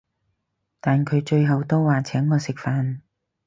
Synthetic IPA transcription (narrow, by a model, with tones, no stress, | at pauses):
t̪aː˨nkʰɵ˨˧ɥt͡ʃɵ˧ɥɦɐ˨wt̪o˥wwaː˨t͡sʰɛː˨˥ŋkɔː˨˧sɪ˨k̚faː˨n